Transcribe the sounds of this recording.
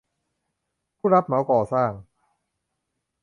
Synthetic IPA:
pʰu˥˩ɾa˦˥p̚ma˨˦wkɔː˨˩saː˥˩ŋ

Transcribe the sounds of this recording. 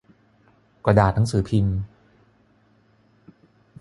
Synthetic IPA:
ka˧daː˨˩t̪̚na˩˦ŋsɯː˩˦pʰi˧n

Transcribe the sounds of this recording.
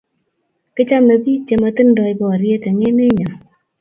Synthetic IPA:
kɪ˦t͡ʃa˦me˨bi˦t͡ʃe˨ma˧t̪ɨ˦ndɔ˨ɪ˨bɔ˨ɾje˦ta˨ŋe˦me˦ɲɔ˨

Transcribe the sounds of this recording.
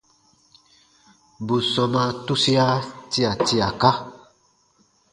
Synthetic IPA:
bu˨sɔ̃˨mã˧tu˦si˦a˦ti˦a˨ti˦a˨ka˦

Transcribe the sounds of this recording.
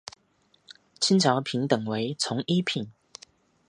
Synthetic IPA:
t͡ɕʰi˥nt͡ɕʰɑ˨˥ʊpʰi˨˦nt̪ə˨˩ŋwe˨˦ɪt͡sʰʊ˨˧˥ŋʔi˦˥pʰi˨˩n

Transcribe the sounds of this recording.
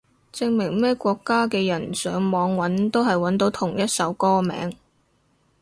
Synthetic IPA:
t͡sɪ˧ŋmɪ˨˩ŋmɛː˥kʷɔː˧kːaː˥kɛː˧jɐ˨˩nsœː˨˧˥ŋmɔː˨˧ŋwɐ˨˥nt̪o˥wɦɐ˨jwɐ˨˥nt̪o˨˥wt̪ʰʊ˨˩ŋjɐ˥t̚sɐ˨˥wkɔː˥mɛ̰ː˨˥ŋ

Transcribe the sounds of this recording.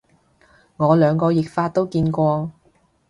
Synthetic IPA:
ŋɔː˨˧lœː˨˧ŋkɔː˧jɪ˨k̚faː˧t̪̚ːo˥wkiː˧nkʷɔː˧

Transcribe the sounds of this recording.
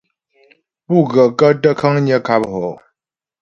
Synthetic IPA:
pu˥˨ɣə˨kə˦tə˦kʰə˦ŋɲə˦kʰa˦pho˨

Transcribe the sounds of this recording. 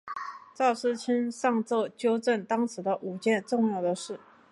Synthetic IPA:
t͡sɑ˥˩ʊʂɻ̩˥˩t͡ɕʰi˥nʂɑ˥˧ŋt͡sɤ˥˩t͡ɕjo˥ʊʈ͡ʂə˥˩nt̪ɑ˥ŋʂʰɻ̩˨˧˥d̪ə˧ʔu˨˩t͡ɕjɛ˥˧˩nʈ͡ʂʊ˥˧ŋjɑ˥˩ʊd̪ə˩ʂɻ̩˥˩

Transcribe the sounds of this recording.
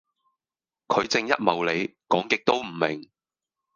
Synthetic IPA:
kʰɵ˨˧ɥt͡sɪ˧ŋjɐ̰˥t̚mɐ˨wle˨˧jkɔː˨˥ŋkɪ˨k̚t̪o˥wm̩˨˩mɪ˨˩ŋ

